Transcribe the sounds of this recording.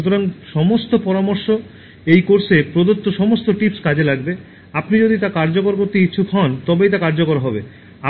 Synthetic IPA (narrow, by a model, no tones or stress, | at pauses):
ut̪oɾaŋʃɔmost̪opɔɾamoɾʃo | ejkoɾsepɾod̪ot̪ːoʃɔmost̪oʈipskad͡ʑelaɡbe | apnid͡ʑod̪it̪akaɾd͡ʑokoɾk̬oɾt̪ekiːt͡ɕʰukʰɔnt̪ɔbejt̪akaɾd͡ʑokoɾɦɔbe | a